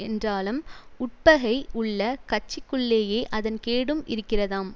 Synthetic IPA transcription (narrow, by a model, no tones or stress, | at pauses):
ɛndraːlɯmʊʈ̚pɐɣɐɪʊɭːɐkɐt͡ʃːɪkːɯɭːeːjeːʔɐðɐnkeːɽɯmʔɪ̰ɾɯkːɪrɐðaːm